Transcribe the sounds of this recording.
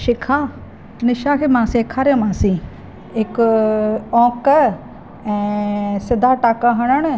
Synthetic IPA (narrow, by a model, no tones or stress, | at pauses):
ʃɪkʰaː | nɪʃakʰeːmãːseːkʰaːɾjõmãːsĩː | ɪk | ɔ̃ːkə | ɛ̃ːsɪd̪ʱaʈaːkaɦɐɽ̃əɽ̃